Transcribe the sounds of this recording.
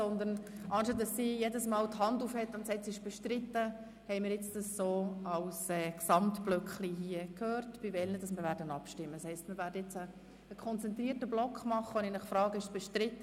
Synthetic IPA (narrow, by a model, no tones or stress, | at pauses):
sɔnd̪ən | ʔɑːnʃɑtdɑsːijɛdəsmɑːlthɑnduːfhɛtːʊntsɛt͡sɪʃb̥ɛʃtɾɪt̪ːə | hɛɪmɪɾjɪt͡sd̥ɑsːoːɑlsɛːksɑmtb̥lœkχliɦiəkʰøːrtb̥ivɛlnəd̥ɑsmɪɾvʋæːɾdənɑpʃtɪmːədshɛɪstmɪɾvæːɾdəɪt͡səː | kʰχɔnt͡sɛnt̪ɾiːətəblɔkχmɑχəoninəχfɾɑːɡəɪʃb̥ɛʃtɾɪt̪ːə